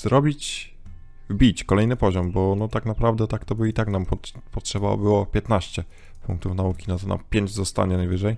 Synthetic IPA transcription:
zɾɔbʲit͡ɕ | vbʲit͡ɕkɔlɛjnɘpɔʑɔmbɔnɔt̪aknapɾavd̪ɛt̪akt̪ɔbɘit̪aknampɔ | pɔtʂɛba̰bɘwɔpʲjɛt̪naɕt͡ɕɛ | pṵŋk̚t̪ufnaukʲinat̪ɔna̰pʲjeɲd͡ʑzɔst̪a̰ɲɛnajvɘʐɛj

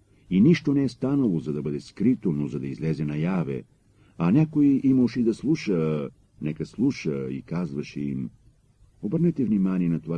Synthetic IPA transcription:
iniʃt̪onɛːst̪anɐlˠozɐd̪ɐbəd̪ɛskɾit̪onozɐd̪ɐizlɛzɛnɐjavɛ̰ | ɐnʲakoiʔiməʃid̪ɐslˠuʃə | nɛkəslˠuʃəḭkazvɐʃɛim | obəɾnɛt̪ɛvnimaniɛnɐt̪ova

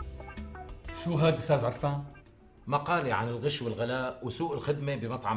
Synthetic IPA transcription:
ʃuːɦaːd̪ist̪aːzʕɑɾˤfaːn | maqɑːliʕa̰nɪlɣɪʃwɪlɣalaːʔwsuːʔɪlxɪd̪mebɪmɑt̪ˤʕɑ

